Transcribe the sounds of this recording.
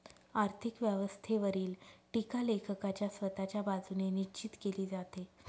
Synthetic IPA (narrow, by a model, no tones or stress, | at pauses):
aɾt̪ʰikʋjəʋəst̪ʰeʋəɾiːlʈikalekʰəkat͡ɕjasʋət̪at͡ɕjabad͡zunenit͡ɕit̪keliːd͡zat̪e